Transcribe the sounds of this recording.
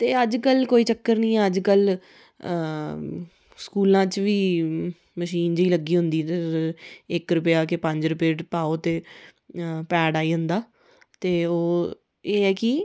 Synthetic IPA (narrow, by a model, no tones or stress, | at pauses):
t̪eːəd͡ʒkəlkoːiːt͡ʃəkːəɾnĩːɛːəd͡ʒkəl | skuːlãːt͡ʃʋiː | məʃiːnd͡ʒiːləɡiːɦʊ̃nd̪iːt̪ | ɪkɾʊpjaːkepə̃ɲd͡ʒɾʊpeːʈpaːoːt̪eː | pɛːɖaːiːɦʊ̃nd̪aː | t̪eːoː | eːɛːkiː